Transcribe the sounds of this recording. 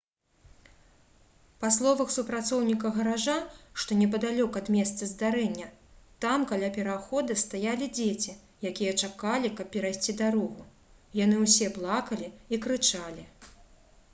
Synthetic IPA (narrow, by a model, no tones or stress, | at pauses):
paslˠɔvɐxsupɾat̪sɔwnʲikɐɣɐɾaʐaʂt̪ɔnʲɛp̬ɐd̪alʲɔkɐd̪mʲɛst̪sɐzd̪aɾɛnʲːɐt̪amkalʲapʲɛɾaxɔd̪ɨst̪ajalʲid͡zʲet͡sʲi | jakʲijɐt͡ʂakalʲikɐp̚ːʲɛɾajsʲt͡sʲid̪aɾɔɣu | janɨwsʲɛblˠakɐlʲiikɾɨt͡ʂalʲi